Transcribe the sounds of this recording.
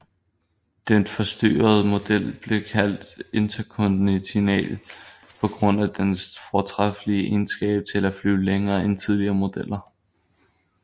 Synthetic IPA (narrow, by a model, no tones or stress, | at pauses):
d̥enfɒ̽sd̥y̰ːɐð̞̩ˠmo̝d̥el̰b̥le̝kʰæl̰d̥e̝nt͡sʰɐkʰɔ̽nd̥nit͡sʰinɛ̰ːlpʰɒ̽ɡ̥ʁɔ̽n̰æd̥ensfɒt͡sʰʁafliəʔensɡ̥ɛ̰ːb̥̚t͡sʰe̝læflyːleŋɐːent͡sʰið̞ˠliɐːmo̝d̥el̰ɐ